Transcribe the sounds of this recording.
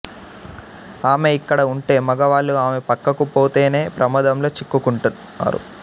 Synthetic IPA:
aːme̞ikːɐɽɐuɳʈe̞ːmɐɡɐʋaːɭːuaːme̞pɐkːɐkupo̞ːt̪e̞ːne̞ːpɾʔɐmɐd̪ɐmlo̞ːt͡ʃikːukuɳʈun | a̰ːɾṵ

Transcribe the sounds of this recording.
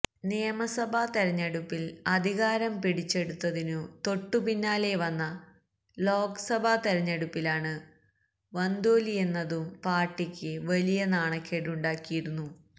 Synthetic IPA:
nejːɐmɐsɐbʱɐt̪ɐɾɐɲːɐɽupːilɐd̪ʱiɣaːɾɐmpiɽit͡ɕːe̞ɽut̪ːɐðinut̪o̞ʈːupinːaːle̞ʋɐnːɐ | lo̞ːkɐ̥sɐbʱɐt̪eɾɐɲːɐɽupːilaːɳɨ | ʋɐnd̪oːlie̞nːɐðumpaːrʈːikʲːɨʋɐlijɐnaːɳɐkːeɽuɳɖaːkːijiɽunːu

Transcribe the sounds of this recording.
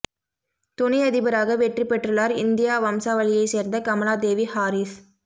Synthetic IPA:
t̪ʊnɪɐðɪbɐɾaːɣɐʋɛʈripɛʈrɯlaːɾɪnd̪ɪjaːʋɐmsaːʋɐɭɪjɐɪseːɾnd̪ɐkɐmɐɭaːd̪eːʋihaːɾis

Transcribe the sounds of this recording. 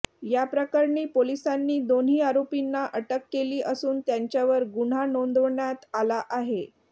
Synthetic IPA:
japɾəkaɾɳiːpolisanːiːd̪onɦiːaɾopinːaʔəʈəkːeliːʔəsuːnt̪jaɲt͡ɕjaʋəɾɡuɽ̤anond̪əʋɳjat̪alaʔaɦe

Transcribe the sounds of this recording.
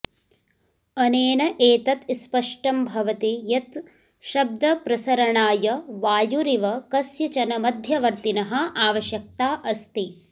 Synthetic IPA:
ɐneːnɐʔeːt̪ɐt̪spɐʂʈɐmbʱɐʋɐt̪ijɐt̪ | ʃɐb̚d̪ɐpɾɐsɐɾɐɳaːjɐʋaːjuɾiʋɐkɐsjɐt͡ʃɐnɐmɐd̪ʱjɐʋɐɾt̪inɐɦɐ̆aːʋɐʃjɐk̚t̪aːʔɐst̪i

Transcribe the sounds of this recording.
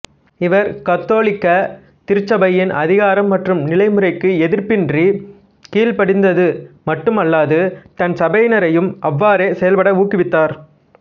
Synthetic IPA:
ɪʋɐɾkɐt̪ːoːlɪkːɐ | t̪ɪɾɯt͡ʃːɐbɐjɪnʔɐðɪɣaːɾɐmːɐʈrɯmnɪlɐɪmɯɾɐɪkːɯɛðɪɾpɪndri | kiːlpɐɽɪnd̪ɐðɯmɐʈːɯmɐlːaːðɯt̪ɐnsɐbɐɪnɐɾɐjɯmʔɐʋːaːɾeːsɛjɐlpɐɽɐuːkːɪʋɪt̪ːaːɾ

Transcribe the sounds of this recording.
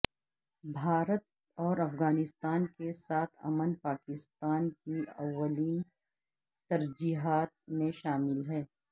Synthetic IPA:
bʱaːɾət̪̚ | ɔːɾɐfɣaːnɪst̪aːnkesaːt̪ʰɐ̰mənpaːkɪst̪aːnkiɐwʋːəliːn | t̪ɐɾd͡ʒiːɦaːt̪̚mẽʃaːmɪlɦɛː

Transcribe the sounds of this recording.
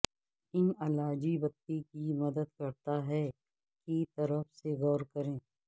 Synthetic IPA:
ɪnɐlaːd͡ʒibɐt̪ːikimɐd̪əd̪̚kɐɾt̪aɦɛ | kit̪ɐɾəfseɣɔːɾkɐɾẽː

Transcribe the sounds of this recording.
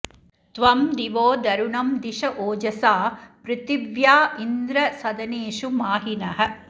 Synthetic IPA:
t̪ʋɐmd̪iʋoːd̪ɐɾuɳɐmd̪iʂɐʔoːd͡ʒɐsaːpɾɪt̪iʋjaːind̪ɾɐsɐd̪ɐneːʂumaːɦinɐɦɐ̆

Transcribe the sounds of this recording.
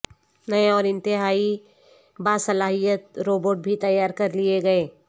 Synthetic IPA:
nɐeɔːɾɪ̃nt̪ɪɦaːi | baːsɐlaːɦijət̪̚ɾoːboːʈ̚bʱit̪ɐjːaːɾkɐɾlieɡɐeː

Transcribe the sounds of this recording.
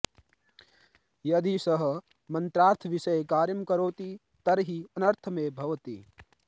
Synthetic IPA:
jɐd̪isɐɦɐ̆ | mɐ̃nt̪ɾaːɾt̪ʰɐʋiʃɐjkaːɾjɐmkɐɾoːt̪i | t̪ɐɾɦiɐnɐɾt̪ʰɐmeːbʱɐʋɐt̪iː

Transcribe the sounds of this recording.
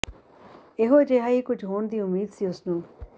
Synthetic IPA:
eɦod͡ʒeːɦaːiːkʊd͡ʒʱɦoːnd̪iːʊmːiːd̪siʊsnũː

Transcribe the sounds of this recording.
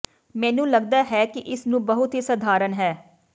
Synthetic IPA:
mɛ̃ːnũːləɡ̚d̪aːɦɛːkɪʔɪsnũːbəɦʊt̪ɦiːsəd̪ʱaːɾənɦɛː

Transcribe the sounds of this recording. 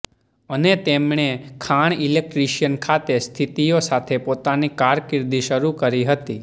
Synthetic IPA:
ənet̪emɳekʰaɳ̃ilek̚ʈɾiʃjənkʰat̪est̪ʰit̪ijosat̪ʰepot̪anikaɾkɪɾd̪iʃəɾukəɾiɦət̪i

